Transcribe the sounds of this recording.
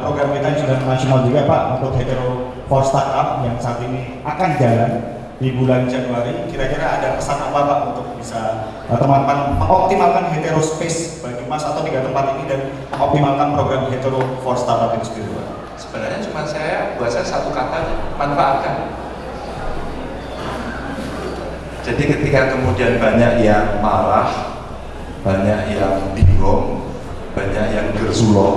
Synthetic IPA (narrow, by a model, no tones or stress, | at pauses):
pɾoɡɾamkit̪ajaŋsudamasonald͡ʒuɡapa̰ʔməpʊt̪̚ɦet̪eɾo | fɔrst̪akap̚jaŋsaːt̪ini | akand͡ʒalan | d̥ibuland͡ʒanuaɾikiɾakiɾaːdapəsart̪əmpat̪̚paʔunt̪ʊk̚bisa | ət̪əmamanməŋɔp̚t̪imalkanɦet̪eɾospesb̥aɡimasat̪awpiɡat̪əmpat̪inidan | məŋɔp̚t̪imalkanpɾoɡɾamɦet̪eɾofɔrst̪aɾapinsət̪iɾua̰ | sə̥b̥ənarɲat͡ʃumasajabuat̪sajasat̪ukat̪alɲamanfaʔat̪̚kan | it̪uaa | d͡ʒadikət̪ikakəmudianbaɲakjaŋmaɾah | b̥aɲakjaŋpiŋɡɔm | baɲakjaŋbərsulɔ